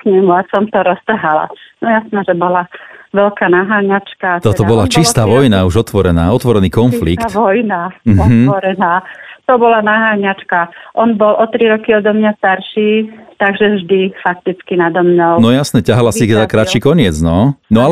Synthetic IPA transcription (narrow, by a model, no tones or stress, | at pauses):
kɲɛmuasɔmt̪ɔɾɔst̪r̩ɦala̰nɔjasnɛʒɛbɔlaʋɛlkanaɦaːɲat͡ʃkaɔt̪ɔbɔlat͡ʃist̪aːʋɔjnauʒɔt̪ʋɔɾɛnaːɔt̪ʋɔɾɛniːkɔnflit̪kt̪ːʋɔjnam̩ɔɦ̩ɔɾɛnaːt̪ɔbɔlanaɦaːɲat͡ʃkaʔɔnbɔlʔɔt̪ɾiɾɔkiɔd̪ɔmɲast̪aɾʃiːt̪aɡʒɛvʒd̪ifak̚t̪it͡skinad̪ɔmɲɔlnɔjasnɛcaɦalasikɛzakɾat͡ʃiːkɔɲɪɛd͡znɔnɔal